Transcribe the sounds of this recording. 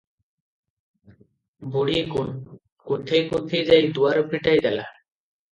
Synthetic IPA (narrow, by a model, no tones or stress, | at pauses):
boɽiekun | kot̪ʰejkot̪ʰːejd͡ʑajd̪uaɾopʰiʈajd̪ɛla̰